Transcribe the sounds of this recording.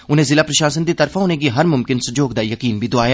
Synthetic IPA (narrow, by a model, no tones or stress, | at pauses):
ʊnɦẽzɪlaːpɾɐʃaːs̬ənd̪it̪ɐɾfʰaɦoːneɡiɦɐɾmʊmkɪnsʊd͡ʒoːɡ̚d̪ajɐkiːnbʱid̪ʊaːjaː